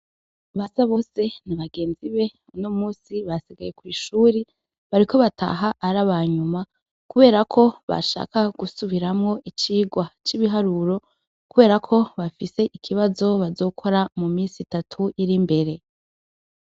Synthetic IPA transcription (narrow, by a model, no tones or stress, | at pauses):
βasaβo̞se̞naβaɡe̞ːnziβe̞ | uno̞muːsiβasiɡaje̞kwiːʃuːɾe | βaɾikʰo̞βatʰa̰ɦaʔːɾaβaɲuma | kuβe̞ːɾakʰo̞βa̰ʃa̰kaɡ̥usuβiɾamŋo̞ʔit͡ʃiːɡwat͡ʃiβiɦaɾuɾo̞ | kuβe̞ːɾakʰo̞βafise̞ʔikʰiβazo̞βazo̞ːkʰo̞ɾamumiːnsitatʰuʔiɾimbe̞ɾe̞